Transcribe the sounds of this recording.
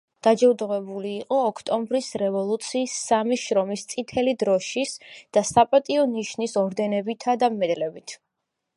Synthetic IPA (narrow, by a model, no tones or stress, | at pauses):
d̪̥ad͡ʒɛud̪ʁwɛbuliːqʼɔːkʰt̪ʼɔmbɾisɾɛvɔlˠut̪sʰiːsːamiʃɾɔmist̪sʼit̪ʰɛlid̪ɾɔʃisd̪̥asapʼat̪ʼiɔniʃnisɔɾd̪ɛnɛbit̪ʰad̪amːɛd̪lɛbit̪ʰ